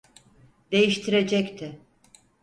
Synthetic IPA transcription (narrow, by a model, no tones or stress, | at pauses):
d̪e̞jiʃt̪ʰiɾe̞d͡ʒɛct̪ʰɪ